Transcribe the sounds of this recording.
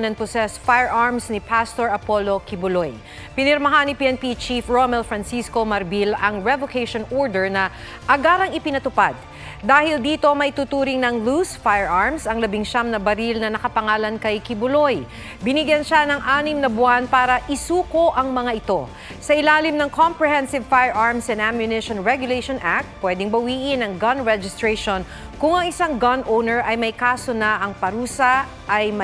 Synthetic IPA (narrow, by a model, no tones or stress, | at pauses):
nɐŋpʊsɛsfajɛɹʔaɹmsnɪpʰast̪oɹɐpo̞lo̞kɪbʊloj | pɪnɛɾmɐɦanipiɛnpit͡ʃifɹomɛlfɹɐnsisko̞mɐɾbilɐŋɹɛvokejʃonʔoɹd̪ɛɹnɐ | ʔɐɡaːɾɐŋɪpɪnɐt̪ʊpad̪̚ː | aːhɪld̪iːt̪o̞mɐjʔt̪ut̪uːɾɪŋnɐŋlusfajɹʔaɹmsɐŋlɐbɪŋʃamnɐbɐɾilnɐnɐkɐpɐŋaːlɐnkɐjkɪbʊlo̞j | bɪnɪɡjɐnʃanɐŋʔaːnɪmnɐbʊʔanpaːɾɐʔɪsuːkoʔɐŋmɐŋaʔɪt̪o̞ | sɐʔɪlaːlɪmnɐŋkompɹɛhɛnsɪvfajɛɹʔaɹmsɛnd̪amjʊnɪʃonɹɛɡjʊleʃonʔak̚t̪̚pwɛd̪ɪŋbɐwiːʔɪnɐŋɡɐnɹɛd͡ʒɪst̪ɹɛʃon | kʊŋɐŋɪsaŋɡɐnʔownɛɹʔɐjmɐjkaːso̞nɐʔɐŋpɐɾuːsɐ | ʔːjmɐ